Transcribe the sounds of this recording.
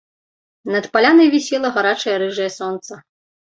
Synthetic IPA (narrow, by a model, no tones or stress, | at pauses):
nɐt̪palʲanɐjvʲisʲɛlˠɐɣaɾat͡ʂɐjɐɾɨʐɐjɐsɔnt̪sɐ